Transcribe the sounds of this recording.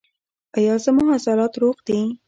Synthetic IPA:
ajɑzəmʊɦɑsɑlɑt̪ɾoqd̪i

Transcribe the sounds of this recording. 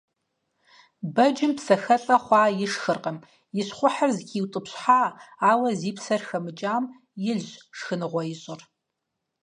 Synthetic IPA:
bɐd͡ʒɪmpsɐxɐɬʼɐχʷɑːjɪʂxɨrqɐm | jɪɕχʷʊħərzkʲʰiːwtʼɨpɕħaːaːwɐziːpʰsɐrxɐmɨt͡ʃʼaːm | jɪɮʑʂxɨnɨʁʷɔjɪɕʼɨr

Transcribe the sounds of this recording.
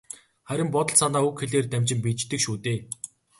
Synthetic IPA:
χæɾʲɪ̆mpɔt̪ɞ̆ɮsanaːukxeɮeːrt̪æmʲt͡ɕɪ̆mpiːt͡ɕt̪ɘ̆kʃuːt̪eː

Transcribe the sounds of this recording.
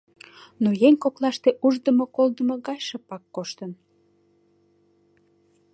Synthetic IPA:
nojeŋʲkoklɑʃt̪eʔuʒd̪əmokold̪əməɣɑjʃəpɑkːoʃt̪ən

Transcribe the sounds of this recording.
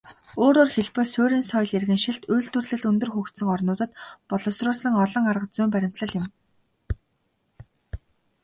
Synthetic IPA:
oːɾoːrxeɮpɘːsʊːɾʲiːnsɔjɮerɣɘ̆ŋʃiɬt̪ujɬt̪ɵ̆rɮɘ̆ɮɵnt̪ɵ̆rxukt̪sɵ̆ŋɔrnʊːt̪ə̆t̪pɔɮɞ̆wsrʊːsə̆ŋɔɮɞ̆ŋarʁə̆t͡suːmpæɾʲɪ̆m̥t̪ɮə̆ɮjɪ̆m

